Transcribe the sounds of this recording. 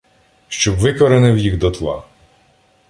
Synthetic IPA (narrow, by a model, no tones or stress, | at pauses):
ʃt͡ʃɔbʋɪkɔɾenɪwjiɣd̪ɔt̪lˠɑ̰